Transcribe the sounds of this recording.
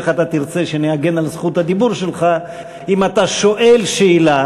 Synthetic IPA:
χat̪at̪iʁt͡se̞ʃe̞neaɡe̞nalzχut̪ad̪ibuʁʃelχa | imat̪aʃo̞ʔe̞lʃeila

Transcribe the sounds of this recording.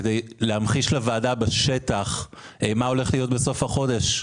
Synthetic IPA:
edejleamχiʃlavaːdabeʃe̞taχ | ʔemao̞le̞χlijo̞t̪beso̞fhaχo̞deʃ

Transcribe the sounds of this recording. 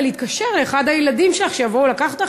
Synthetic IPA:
leit̚kaʃe̞ʁleːχad̪hajeladimʃelaχʃejavo̞ulakaχat̪a

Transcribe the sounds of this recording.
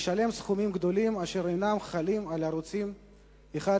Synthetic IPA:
ʃale̞msχumimɡd̪o̞limaʃe̞ɾejnamχalimalaɾut͡sim | eχa

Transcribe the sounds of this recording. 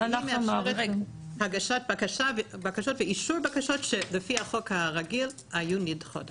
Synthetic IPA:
meafʃʁeʁhaɡaʃat̚bakaʃavbakaʃotveiʃuʁbakaʃotʃelefihaχokhaʁaɡil | hajunidχo̰d

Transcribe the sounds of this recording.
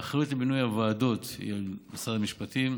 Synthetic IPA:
aχajutlebinujavaːdo̞t̪ḭalmasadamiʃpatim

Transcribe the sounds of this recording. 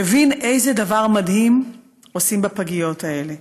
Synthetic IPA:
evinʔe̞jzedavaʁmad̪him | osimbapaɡijo̞t̪ae̞le

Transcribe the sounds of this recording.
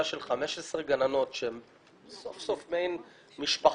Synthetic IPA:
aʃe̞lχame̞ʃesʁeɡanano̞tʃeem | sofsofmejn | miʃpa

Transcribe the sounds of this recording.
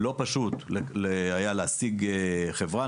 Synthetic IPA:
lo̞paʃut̪lelehajaleasiɡeχevʁa

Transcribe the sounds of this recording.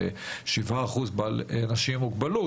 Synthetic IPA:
eʃivaːχuzbalanaʃimːuɡbalu

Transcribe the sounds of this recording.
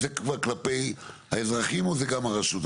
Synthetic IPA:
zekvaʁklapejhaezʁaχimozeɡamaʁaʃut̪

